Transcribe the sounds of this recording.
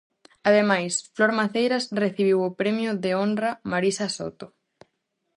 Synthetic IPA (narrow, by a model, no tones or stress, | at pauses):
aðemajsfloɾmaθejɾasreθiβ̞iwopɾemjʊðeondramaɾisaso̰t̪o